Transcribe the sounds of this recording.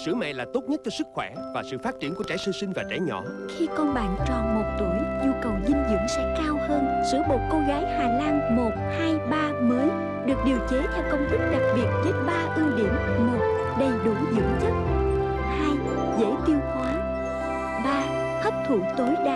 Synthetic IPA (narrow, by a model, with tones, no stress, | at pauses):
sɨ˧˩əmɛ̰˧˨laː˨˩t̪o˦˥t̚ɲə˦˥t̚t͡ɕɔ˧sɨ˦˥k̚xwɛ˧˩vaː˨˩sɨ̰˧˨faː˦˥t̚t͡ɕi˧˩ənku˧˩t͡ɕaː˧˩˦jsɨ˧sï˧ŋ̟vaː˨˩t͡ɕa˧˩˦jɲɔ̰˧˩xi˧kɔ˧nɓa̰ː˧˨nt͡ɕɔ˨˩mo˨˩t̚t̪wə˧˩jʔɨ˧wkə˨˩wzï˧ŋ̟zɨ̰˧˥əŋsɛ̰˧˥kaː˧whəː˧nsɨ̰˧˥əɓo˨˩t̚ko˧nɣaː˨˦jhaː˨˩laː˧ŋmo˨˩t̚haː˧jɓaː˧məː˨˦j | ɗɨ˨˩ək̚ɗi˨˩əwt͡ɕe˨˦t̪ʰɛː˧wkə˧wŋ͡mt̪i˦˥k̚ɗa˨˩k̚ɓi˨˩ət̚zə˨˦˥t̚ɓaː˧ʔi˧wɗḭ˧˩əmːo˨˩t̚ | ɗə˧jɗu˧˩jzɨ̰˧˨t͡ɕə˦˥t̚ | haː˧j | zḛ˧˥t̪i˧əwhwaː˨˦ | ɓaː˧ | hə˦˥wp̚t̪ʰu˧˩t̪o˨˦jɗa˧˨